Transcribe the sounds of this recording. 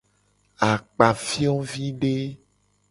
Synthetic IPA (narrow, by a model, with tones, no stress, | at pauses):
a˨k͡pa˨fi˦ɔ̃˦vi˦ɖe˦